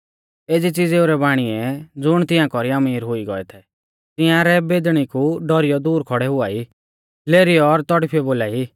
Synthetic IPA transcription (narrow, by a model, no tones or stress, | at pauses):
eːd͡zit͡sid͡zeːuɾɛbaːɽ̃iɛd͡zʊɽ̃t̪ɪãkɔɾiɐmiːɾɦʊiɡɔɛt̪ʰɛ | t̪ɪ̃ãɾɛbed̪ɽ̃ikuɖɔɾɪjɔd̪uːɾkʰɔɽɛɦʊaːiː | leːɾijɔːɾt̪ɔɽpʰiɔboːlaːi